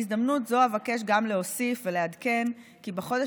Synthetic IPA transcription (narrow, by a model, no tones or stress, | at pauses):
izd̪amnutzoavake̞ʃ̬ɡamleosifvelead̪ke̞n | kibeχo̞de